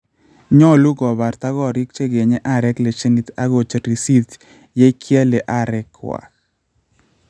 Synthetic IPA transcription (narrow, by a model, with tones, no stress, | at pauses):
ɲɔ˦lu˦ɡɔ˨ba˨rt̪a˦ɡɔ˦ɾi˦k̚t͡ʃe˦ɡe˨ɲe˦ʔa˦ɾɛ˦kle˨t͡ʃe˦ni˨t̪a˦ɡo˨t͡ʃe˨ɾi˨si˦t̪ | je˦kʰja˦le˨ʔa˦˨ɾɛ˦kwa̰˨